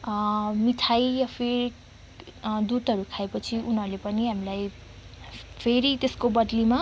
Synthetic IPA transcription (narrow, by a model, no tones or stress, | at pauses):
mit̪ʰajjapʰeɾi | d̪ud̪ɦʌɾukʰaepʌt͡sʰiunɦʌɾulepʌniɦamilaj | pʰeɾit̪eskobʌd̪lima